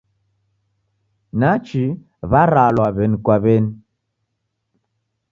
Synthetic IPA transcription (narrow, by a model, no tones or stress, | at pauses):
nat͡ʃi | βaɾalwaβɛnkwaβɛn